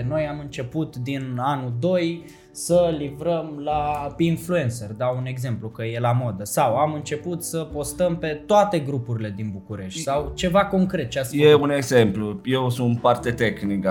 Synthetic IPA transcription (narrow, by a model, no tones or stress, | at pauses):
no̞jamɨnt͡ʃe̞put̪d̪inanud̪o̞j | səlivɾəmlapinflue̞nt̪serd̪aune̞ɡze̞mplukəje̞lamo̞d̪əsawamɨnt͡ʃe̞put̪səpo̞st̪əmpe̞t̪oat̪e̞ɡɾupuɾile̞d̪inbukuɾe̞ʃt̪ʲsawt͡ʃe̞vako̞ŋkɾe̞t̪̚t͡ʃeasje̞uneɡzempluje̞wsunt̪part̪et̪exnik